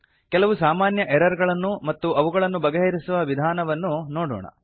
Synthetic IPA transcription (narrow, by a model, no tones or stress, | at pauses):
kɛlɐʋusaːmaːnjɐʔɛɾɐɾɡɐɭɐnːumɐt̪ːuʔɐʋuɡɐɭɐnːubɐɡɐɦɐɾisuʋɐʋid̪ʱaːnɐʋɐnːunoːɽɔ̰ːɳɐ̰